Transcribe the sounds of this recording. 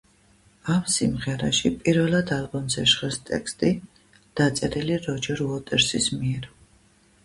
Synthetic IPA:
amsimʁɛɾaʃipʼiɾvɛlˠad̪alˠbɔmzɛʃχɛst̪ʼɛ̰kʰst̪ʼi | d̪̥at̪sʼɛɾiliɾɔd͡ʒɛɾuɔt̪ʼɛɾsismiɛɾ

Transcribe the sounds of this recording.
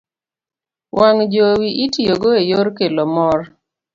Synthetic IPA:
wʔaŋd͡ʒowiʔitijoɡoejoɾkelomɔr

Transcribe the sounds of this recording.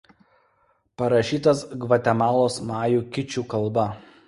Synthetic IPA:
pɐɾɐʃʲiːt̪ɐsɡʋɐt̪ʲɛmɑːlˠoːsmɑːjuːkʲɪt͡ʃʲuːˑkɐlˠbɐ

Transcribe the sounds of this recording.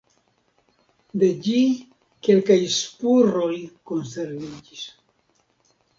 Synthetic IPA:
d̪ed͡ʒi | kelkajspurojkonseɾβid͡ʒis

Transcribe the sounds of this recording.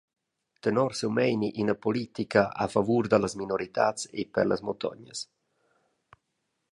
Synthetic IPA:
t̪ɛnɔɾsewmɛjniʔinapolit̪ikaʔa̰favuɾd̪alasminoɾit̪atsḛpɛ̰ɾla̰smot̪ɔ̰ɲəs

